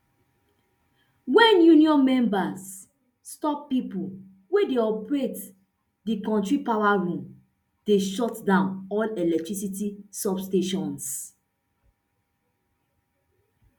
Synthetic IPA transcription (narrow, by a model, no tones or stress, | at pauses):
wɛ̃njuniɔ̃nmɛ̃mbasː | tɔpːipul | wedeɔpɹet | dikɔ̃ntɹipawaɹũm | d̥eʃɔtdãʊ̃nɔlɛlɛk̚tɹisitisɔbsteʃɔ̃ns